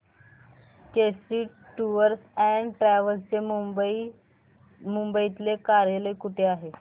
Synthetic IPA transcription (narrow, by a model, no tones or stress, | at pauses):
kesiː | ʈuəɾsɛɳɖʈɾɛʋəlst͡se | mumbəit̪lekaɾjələjkuʈʰeaɦe